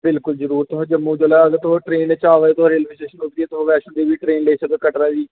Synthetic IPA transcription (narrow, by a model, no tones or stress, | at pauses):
bɪlkʊlzəɾuːɾt̪ʊɦãːd͡ʒəmːũːd͡ʒəlaːəɡəɾt̪ʊɦoːʈɾeːnet͡ʃaːʋaːeːt̪ʊɦaːɾiːlmɪsʈeːʃənʊk̚d̪iːɛːt̪ʊɦoːʋɛːʃʊnd̪iːbiːʈɾeːnleːsək̪okəʈɾaːʋiː